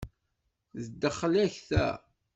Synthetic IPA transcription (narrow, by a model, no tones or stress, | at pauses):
ðəd̪ːəχːlæçθæ̰